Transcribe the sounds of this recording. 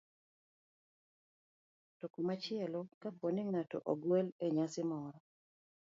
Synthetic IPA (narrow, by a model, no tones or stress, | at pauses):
tokumat͡ʃɪɛlɔkapwonɪŋatɔʔoɡwɛleɲasɪmɔɾɔ